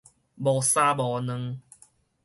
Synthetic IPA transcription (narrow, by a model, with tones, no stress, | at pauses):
bɔː˨˩saː˦bɔː˨nə˧ŋ